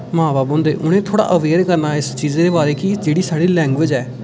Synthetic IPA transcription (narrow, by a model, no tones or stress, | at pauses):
mãːbaːbõːnd̪ḛːʔʊɽ̃ẽːt̪ʰoːɽa̰ːʔəʋeːɾkəɾnaːɪst͡ʃiːzeːd̪eːbaːɾeːkɪd͡ʒeːɽiːsaːɽiːlɛ̃ːŋɡʋɪd͡ʒɛː